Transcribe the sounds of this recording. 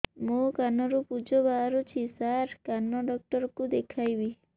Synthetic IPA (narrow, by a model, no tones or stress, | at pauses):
mokanɔɾupud͡ʒɔbaɾut͡ʃʰisaɾkanɔɖɔk̚ʈɔɾɔkud̪ekʰajbi